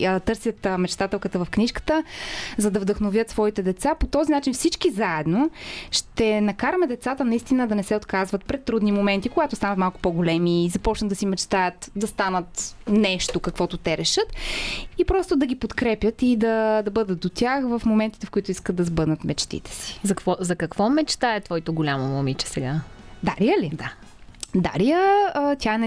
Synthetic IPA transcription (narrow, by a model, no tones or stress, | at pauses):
t̪ɤɾsjət̪mɛt͡ʃt̪at̪ɛlˠkət̪əvəfkniʃkə̥t̪əzɐd̪ɐvd̪ɐxnovʲjət̪svɔit̪ɛd̪ɛt̪sapot̪ɔzinat͡ʃinfsit͡ʃkizaɛd̪noʃt̪ɛnɐkaɾəmɛd̪ɛt̪sat̪ənɐist̪inəd̪ɐnɛsɛot̪kazvət̪pɾɛt̪ːɾud̪nimomɛnt̪ikoɡat̪ʊst̪anɐt̪malˠkʊ̥poɡolɛmiːzɐpɔt͡ʃntd̪d̪ɐsimɛt͡ʃt̪ajət̪d̪ɐst̪anət̪nɛʃt̪okɐkvɔt̪ot̪ɛɾɛʃɤt̪ipɾɔst̪ʊd̪ɐɡʲipot̪kɾɛpjət̪id̪ɐd̪ɐbɤd̪ət̪̚d̪ot̪ʲjaxvəfmomɛnt̪i̥t̪ɛfkoit̪ʊiskəd̪ɐzbɤd̪nət̪mɛt͡ʃt̪ḭt̪ɛ̥si̥zɐkvɔzɐkɐkvɔmɛt͡ʃt̪aɛt̪vɔjt̪oɡolʲamomomit͡ʃɛ̥sɛɡa | d̪aɾiəlid̪a | d̪a̰ɾijəət̪ʰʲaɛn